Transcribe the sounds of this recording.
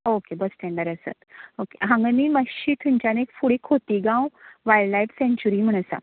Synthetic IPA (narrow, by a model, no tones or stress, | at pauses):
okebəsʈɛ̃ɳɖəɾəsə̰t̪okeɦãŋɡniməɕiʈ̪ʰuɲt͡ɕanekfuɽikʰot̪iɡãwʋajɖlajʈsẽɲt͡ɕuɾim̤əɽ̃əsa̰